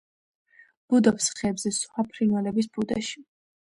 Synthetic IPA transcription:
b̥ud̪ɔpsχɛːbzɛsχwapʰɾinwalɛbis̬bud̪a̰ʃi̥

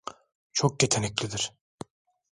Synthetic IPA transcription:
t͡ʃʰok̚ɟet̪ʰenɛclʲid̪iɾ

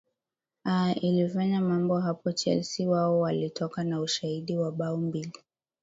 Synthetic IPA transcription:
ailifaɲamambɔɦapɔt͡ʃɛ̰lsiwaɔwalitʰɔkanauʃahiɗiwaɓaumbili

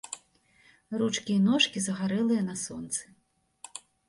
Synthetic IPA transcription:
rut͡ʂkʲijnɔʂkʲizɐɣaɾɛlˠɨjɐnɐsɔ̰nt̪sɨ̥

